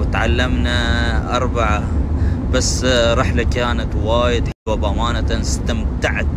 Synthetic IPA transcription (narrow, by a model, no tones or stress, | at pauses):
ɪt̪ʕalːamnaʔɑɾˤbaʕab̥asːɾˤɑħlakaːnat̪waːjɪd̪ħɪbabʔamaːnat̪anɪst̪amt̪aʕt̪